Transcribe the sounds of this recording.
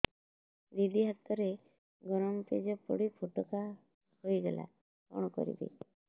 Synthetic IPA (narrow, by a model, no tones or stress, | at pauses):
ɾiɖiɦat̪ːɔɾe | ɡɔɾɔmped͡ʒɔpɔɽipʰoʈɔka | hojɡela̰ | pɔ̰ɳ̃ɔkɔ̰ɾḭbḭ